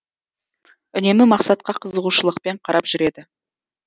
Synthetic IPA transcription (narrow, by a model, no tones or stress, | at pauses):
ʏne̞mɪmɑqsɑt̪̚qɑqʰəzəʁuʃəlˠəq̚pe̞ɴqʰɑɾɑpʒ̥ʏɾe̞d̪ɪ